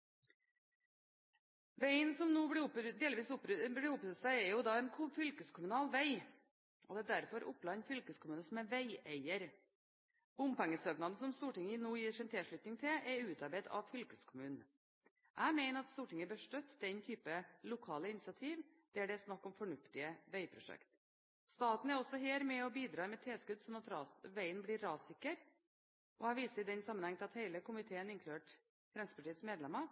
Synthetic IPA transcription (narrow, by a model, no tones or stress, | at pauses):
ʋeɪənsɔmnuːbɪʊpd̪eːlɪʋiːsʊpɾblɪʊpɾʉsæɪɛɾjʊd̪ɑːɛnkʰʊfʏlkəskʰʊmʉnɑːlʋæɪ | ʔɔd̪ɛæːd̪æɾfɔɾʔʊplɑɲfʏlkəskʰʊmʉːnəsɔmɛnʋæɪeɪəɾ | b̥ʊmpæŋːəsøːknɑd̪n̩sɔmst̪uːʈɪŋəɪnuːjiːʂɛnt̪ʰɪlʂɭʉt̪nɪŋt̪ʰɪʔɛʉːt̪ɑɾbeɪt̪ʰɑ̰ʋfʏlkəskʰʊmʉːn̩ | ʔæɪmæɪnəɾɑt̪st̪uːʈɪŋːəbœʂʈ̪œt̪ːd̪ɛnt̪ʰyːpəlʊkʰɑːləɪnɪsɪɑt̪ʰiːʋd̪̥ɛæɖɛæsnɑkːɔmfɔɳʉft̪ɪəʋæɪpʰɾʊʂɛ̰kt̪ | st̪ɑːt̪n̩æɾɔsːɔɦeːɾmɛɔbiːd̪ɾɑːmɛt̪ʰeːskʉd̪sɔnɑt̪ɾɑːʋæɪənblɪɾːɑːsɪkːəɾ | ʔɔæʋiːsəɾɪd̪ɛnsɑmːənhɛŋːt̪ɪlɑt̪hæɪləkʊmɪt̪ʰeːənɪnkʰlʉeːʈ | fɾɛnsəpʰɑʈiːsmeːd̪lɛmːə